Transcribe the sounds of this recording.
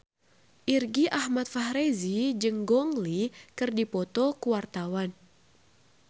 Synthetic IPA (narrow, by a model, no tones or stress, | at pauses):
ʔirɡiʔahmat̪̚fahɾezid͡ʒɨŋɡɔŋlikɨrdipɔt̪ɔkuwart̪awan